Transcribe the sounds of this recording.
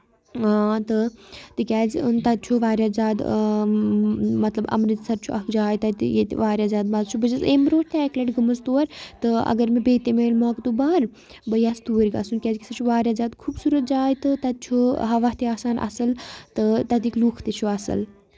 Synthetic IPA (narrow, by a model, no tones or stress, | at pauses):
at̪ɨt̪ɨkʲaːzt̪ɐd̪̚t͡ʃʰuʋaːɾʲjaːzaːd̪ | mɐt̪lɐbɐ̰mɾit̪sɐɾt͡ʃʰuʔɐkd͡ʒaːjt̪ɐt̪jet̪ʋaːɾʲjaːzaːd̪̚baːzt͡ʃʰubɐd͡ʒɐzeːmɾoːɾt̪ɛːkleʈɡɨmɐzt̪oːɾʲt̪ɨɐ̰ɡɐɾmebeːt̪emeːlmɔːkd̪ubaːɾ | bɐjaːst̪uːɾʲɡɐ̰sunkʲaːzkʲi̥sɐt͡ʃʰuʋaːɾʲjaːzaːd̪kʰuːbsuːɾɐt̪̚d͡ʒaːjt̪ɨt̪ɐd̪̚t͡ʃʰuɦɐʋaɦt̪iaːsaːnʔɐ̰sɐlt̪ɨt̪ɐd̪ikluːkʰt̪et͡ʃʰuɐsɐ̰l